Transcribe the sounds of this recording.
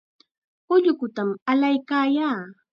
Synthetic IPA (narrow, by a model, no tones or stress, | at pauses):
ʊʎʊkʊt̪amalajkaːjaː